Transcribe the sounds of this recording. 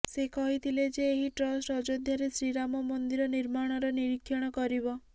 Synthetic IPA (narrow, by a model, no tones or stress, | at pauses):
sekɔɦit̪ʰiled͡ʒeːɦiʈɾɔsʈɔd͡ʒod̪ʱjaɾesɾiɾamɔmɔnd̪iɾɔniɾmaɽ̃ɔɾɔniɾikʰːjɔɽ̃ɔkɔɾibɔ